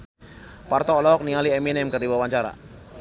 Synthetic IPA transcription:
part̪ɔːlɔɔk̚niŋaliɛminɛmkərdiwawaɲt͡ʃaɾa̰

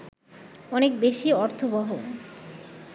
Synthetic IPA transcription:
ɔnekbeʃiɔɾt̪ʰobɔɦo

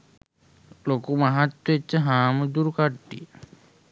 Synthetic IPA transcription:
lokumaɦat̪ːwoet͡ʃːəɦaːməd̪uɾukaʈːḭ

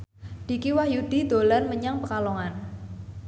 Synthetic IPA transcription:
d̪̥i̤kiwajud̪̥i̤d̪̥o̤larməɲaŋpəkalɔŋan

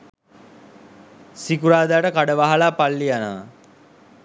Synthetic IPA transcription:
sikuɾaːd̪aaʈəkaɖəʋaɦalaːpalːianəʋa

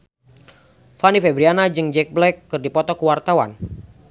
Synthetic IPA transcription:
fanifɛbɾianad͡ʒɨŋd͡ʒɛk̚blɛkːɨrdipɔt̪ɔkəwart̪awa̰n

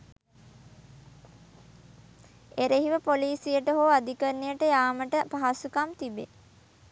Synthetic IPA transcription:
eɾeɦiʋəpoliːsijəʈəɦoːad̪ikənːijəʈəjaːməʈəpaɦasukamt̪ibḛ

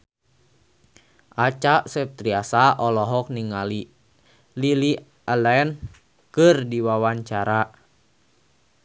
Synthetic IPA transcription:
ʔat͡ʃaʔsɛp̚t̪ɾiasaʔɔlɔɦɔk̚niŋali | lili | alaɛn | kɨrdiwawaɲt͡ʃaɾa

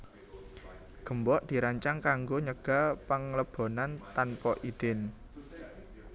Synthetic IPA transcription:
ɡ̥ə̤mbɔʔd̪̥i̤ɾaɲt͡ʃaŋkaŋɡoɲəɡ̥a̤pəŋləb̥ɔ̤nant̪anpɔʔid̪̥ɪn

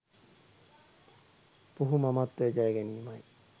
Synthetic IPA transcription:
puɦumamat̪ːed͡ʒajɡeniːmaj

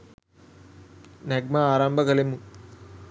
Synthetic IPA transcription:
neɡmaaːɾaːmbʱɐɡɐlemu

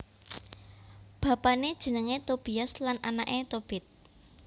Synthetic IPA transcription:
b̥a̤paned̥ʒ̥ə̤nəŋet̪ob̥iaslanʔanaʔet̪ob̥ɪ̤t̪̚

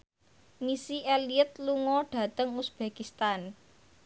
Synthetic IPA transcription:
misieliət̪luŋɔɖ̥ä̤t̪əŋusb̥e̤kist̪an

